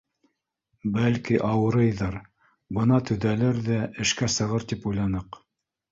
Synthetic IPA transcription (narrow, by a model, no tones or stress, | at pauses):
bælkiʔɑwɤ̆ɾɤjðɑɾ | bɤ̆nɑt̪ɵ̆ðælɘɾðæʔɘ̆ʃkæsɤ̆ʁɤɾt̪ipujlˠɑnɤq